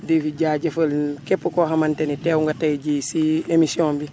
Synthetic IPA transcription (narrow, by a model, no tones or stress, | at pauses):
difiɟaːɟɐfɐlkepːukoɦamanteniteːwuŋɡatajiɟisiemisiõːmbi